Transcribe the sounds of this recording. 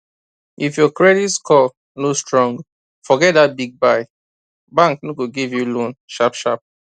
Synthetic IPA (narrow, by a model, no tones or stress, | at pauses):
ʔifjɔkɹɛditskʰɔl | nostɹɔ̃ŋɡ | fɔɡɛt̚d̪at̚biɡ̚baɪ | bãŋknoɡoɡivjulõnʃapʃap̚